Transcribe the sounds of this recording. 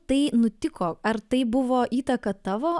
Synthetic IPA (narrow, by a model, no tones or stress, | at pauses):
t̪ɐɪnʊt̪ʲɪkoːɐrt̪ɐɪbʊʋoːʔiːt̪ɐkɐt̪ɑːʋoː